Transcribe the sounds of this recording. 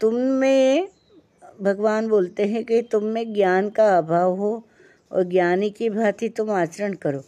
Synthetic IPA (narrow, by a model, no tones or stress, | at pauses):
t̪ʊmːẽ | bʱɐɡʋaːnboːlt̪eɦɛ̃kit̪ʊmːẽɡjaːnkaaːbʱaːʋɦo | ɔ̰ːɾɡjaːnikibʱaːt̪it̪ʊmaːt͡ʃəɾəɽkɐɾoː